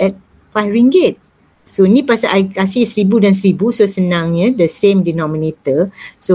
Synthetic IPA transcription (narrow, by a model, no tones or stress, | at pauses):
ʔɛt̚ | fajɹiŋɡɪt̚ | soinĩpasaʔajkasihsəɾibudans̬əɾibusosənãŋɲãdəsẽmdinɔ̃minet̪əso